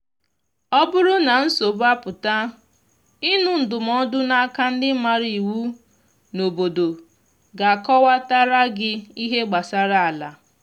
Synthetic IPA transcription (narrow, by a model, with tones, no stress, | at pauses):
ɔ˦bʊ˦ɾʊ˦na˨n̩˦so˨ba˦pʊ˨ta˦ | i˦nu˦n̩˨dʊ˨m˦ɔ˦dʊ˦na˦a˦ka˦n̩˦dɪ˦ma˦ɾi˨wu˦ | no˨bo˨do˨ | ɡa˨kɔ˦wa˦ta˦ɾa˦ɡɪ˦i˦ɦe˦ɡ͡ba˨sa˦ɾa˦a˨la˨